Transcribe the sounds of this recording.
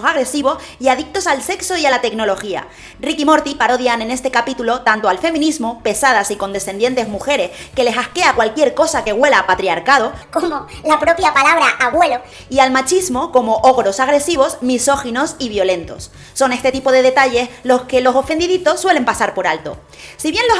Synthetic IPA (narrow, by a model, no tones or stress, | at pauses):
saɣ̞ɾe̞siβ̞o̞s | iaðik̚t̪o̞salse̞kso̞ialat̪e̞kno̞lo̞xia̰ | rikimo̞ɾt̪ipaɾo̞ðjane̞ne̞st̪e̞kapit̪ulo̞t̪ant̪o̞alfe̞mĩnizmo̞pe̞sað̞asiko̞nd̪esθe̞nje̞nt̪e̞zmuxe̞ɾe̞ske̞le̞sahke̞akwalkje̞ɾko̞sake̞ɣwe̞lapat̪ɾiaɾkað̞o̞komolapɾo̞pjapalaβɾaʔaβwe̞lo | ialmat͡ʃizmo̞ko̞mo̞ʔo̞ɣɾo̞saɣ̞ɾe̞siβo̞smiso̞xino̞siβjo̞lẽ̞nt̪o̞̰sː | o̞ne̞st̪e̞t̪ipo̞ð̞e̞ð̞e̞t̪aʝe̞slo̞ske̞lo̞so̞fe̞nd̪iðit̪o̞sːwe̞le̞mpasaɾpo̞ɾalt̪o̞̰ | siβje̞nlo